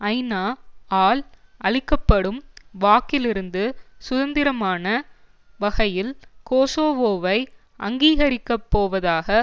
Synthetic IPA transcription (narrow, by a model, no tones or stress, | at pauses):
ɐɪnaːaːlʔɐɭɪkːɐpːɐɽɯmʋaːkɪlɪɾɯnd̪ɯsʊðɐnd̪ɪɾɐmaːnɐ | ʋɐɣɐjɪlkoːsoːʋoːʋɐɪ | ʔɐŋɡiːɣɐɾɪkːɐpːoːʋɐðaːɣɐ